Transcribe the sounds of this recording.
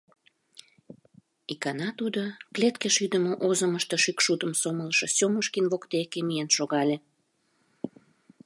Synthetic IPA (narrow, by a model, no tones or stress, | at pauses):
ikɑnɑt̪ud̪oklet̪keʃyd̪əmoʔozəməʃt̪ə̆ʃykʃut̪əmsomələʃɤ̆sʲoməʃkinβokt̪ekemijenʃoɣɑlʲe